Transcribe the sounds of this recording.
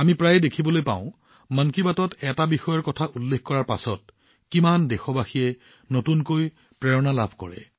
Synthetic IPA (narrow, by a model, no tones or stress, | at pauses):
amipɹajɛdekʰibɔlojpa̰ʊ̃ | mankibatɔtɛtabixɔjɔɹkɔtʰaʔulːexkɔɹaɹpa̰sɔt̚ | kimandɛxɔbaxijɛ | notunkoj | pɹɛɹɔnalabʱkɔ̰ɹɛ̰